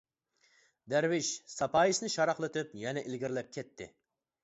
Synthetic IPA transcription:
d̪æɾwɪʃsɑpʰɑːjisnɨʃɑɾɑχlˠɨt̪ɨpjɛnɛʔɪlɡʲiɾlɛp̚kʲʰɛt̪ʰːɪ̰

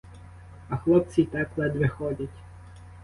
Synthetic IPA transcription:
ɐxlˠɔp̚t͡sʲit̪ɛplˠɛd̪ʲʋɪxɔdʲɐtʲ

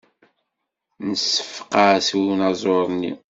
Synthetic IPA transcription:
nəsːə̥fqɑswnɑzˤoɾˤnḭ

